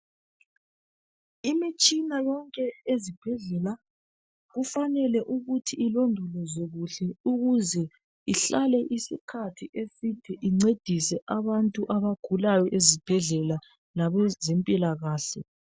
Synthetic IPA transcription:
imit͡ʃʼinajɔŋkʼɛezib̥ʱɛɮɛla | ɣufanɛlɛʔuɣutʰiilondʱɔlɔzoɣuɬɛuɣuzɛ | iɬalɛʔisḭkʰatʰiʔesitʰiʔiŋ͡ǀed̥ʱisɛʔaβantʼuʔaβaɡ̥ʱulajɔʔezib̥ʱɛɮɛla | laβɛzempʼilaɣaːɬɛ

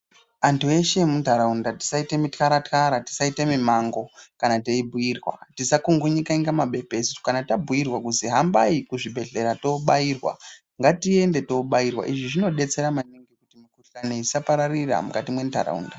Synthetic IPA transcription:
antue̞ʃe̞muntaɾaundati̥saitemitkaɾatkaɾati̥saitemimaŋɡo̞kanateibʱuirwa̰tisakuŋɡuɲikaiŋɡamaɓʱe̞pe̞sto̥kanatabʱuirwakuziɦambaikuʐibʱe̞ɮe̞ɾato̞ɓairwa̰ | ŋɡatie̞nde̞to̞ɓairwa̰ʔiʐiʐino̞ɗe̞t͡se̞ɾamaneŋɡekutimikuɬaneisapaɾarira̰mukatimwe̞nta̰ra̰ṵnda

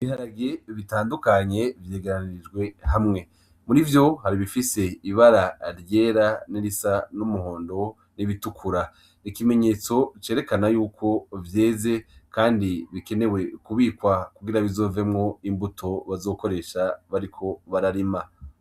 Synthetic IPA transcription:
βihaɾaɡeβitaːndukaɲe̞vje̞ːɡeɾanid͡ʒɡwe̞hamŋe̞ | muɾivjo̞haɾiβifise̞iβaɾaɾje̞ːɾaniɾisanumuɦo̞ːndo̞ | niβitukʰuɾa | nikime̞ɲe̞t͡so̞t͡ʃe̞ːɾe̞kanajuːkʰo̞vje̞ːze̞kʰaːndiβike̞ne̞we̞kuβiːkwakuɡiɾaβizo̞ːvemŋo̞imbutʰo̞βazo̞ːko̞ɾe̞ʃaβaɾikʰo̞βaɾaɾima

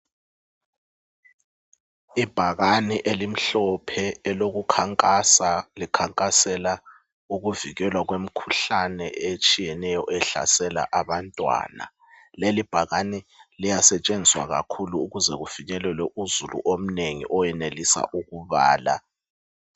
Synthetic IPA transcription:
ib̥ʱaɣaniʔelim̩ɬɔpʰɛːloɣukʰaŋʼasalikʰaŋkʼasɛla | uɣuviɣɛlwaɣwem̩kʰuɬanɛet͡ʃʼijɛnɛjɔʔɛɬa̰sɛla̰ʔaβantʼwa̰ːna̰ | lelib̥ʱaɣanilijasɛt͡ʃʼend͡zʱiswa̰ɣa̰kʰuluːɣuzɛɣufiɲɛlɛlwɛʔuzulṵʔom̩neŋḭʔɔjɛnelisa̰ʔuɣuβa̰ːla̰

